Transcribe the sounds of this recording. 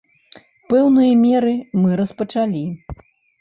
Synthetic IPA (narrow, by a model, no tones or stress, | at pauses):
pɛwnɨjɐmʲɛɾɨmɨɾɐspɐt͡ʂalʲi